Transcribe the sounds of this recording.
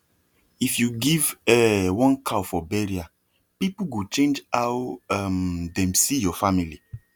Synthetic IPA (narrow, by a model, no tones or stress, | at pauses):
ifjuɡivɛwɔ̃nkʰawfɔbɛɹia | pipuɡut͡ʃẽnd͡ʒawamdɛ̃msijɔfamili